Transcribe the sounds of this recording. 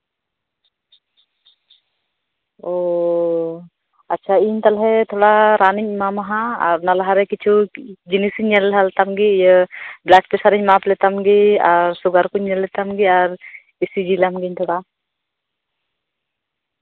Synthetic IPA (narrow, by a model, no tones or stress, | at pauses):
o | atːt͡ʃʰaiɲt̪alɦɛt̪ʰɔɽaɾaniɲmamaɦãa̰ɾnalaɦaɾɛkit͡ʃʰud͡ʒinisiɲːɛlɦalt̪amɡijəblak̚pɛsaɾiɲmaplɛt̪amɡiaɾsuɡaɾkuɲːɛlːɛt̪amɡiaɾ | isid͡ʒilamɡiɲt̪ʰɔɽa